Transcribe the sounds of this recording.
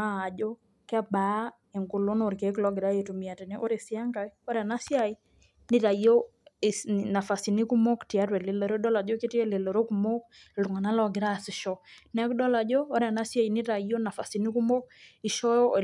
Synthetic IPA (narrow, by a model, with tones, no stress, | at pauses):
aː˦˨d͡ʒɔ˦ | kɛ˦ba˨˦ | e˨ŋɡu˨lo˦no˨ɾke˨˦klɔ˦ɡɪ˨ɾa˦e˨tu˨mi˨a˨te˨nɛ˦ʔo˦ɾe˨sɪ˦a˦ŋɡa˨o˦ɾa˨na˦sja˦i˦ | nɪ˦ɾa˨ijo˦˨ | na˨fa˨si˨ni˦ku˦mo˦kti˨a˦ɾwɛ˨lɪ˨lɔ˨ɾo˦dɔ˦la˨d͡ʒo˦ke˦ti˦e˦lɪ˨lɔ˨ɾo˦ku˨mo˦k | lu˨ŋa˨na˦lɔ˨ɡɪ˨ɾa˦sɪ˨ʃɔ˦nɛ˦kdɔ˦la˨d͡ʒoː˦ɾa˨na˦sja˦i˨nɪ˦ta˨i˦jo˦na˨fa˨si˨ni˦ku˦mo˦ki˨ʃɔ˦jɔ˦˨